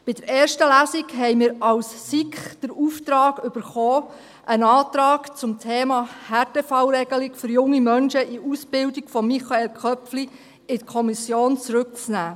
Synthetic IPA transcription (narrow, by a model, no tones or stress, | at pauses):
b̥ɪd̥əɾeːɾʃtəlæːsiɡɦɛɪmɪːɾɑwssikχd̥əɾuːft̪ɾɑːɡʏb̥əɾχoː | ʔənɑːtɾɑːkt͡sʊmtʰeːmɑːhɛɾtefɑwɾɛɡ̥əlɪkfʏɾjʊŋːimœnʃəʔiusb̥ɪldikfɔmːiχɑelkʰœpfli | ɪtkʰɔmisjoːnt͡sɾʉk̚t͡snæː